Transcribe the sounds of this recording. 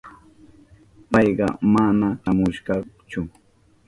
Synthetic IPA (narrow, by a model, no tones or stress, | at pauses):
pɑjɢɑ̰manaʃamʊʃɢɑt͡ʃʊ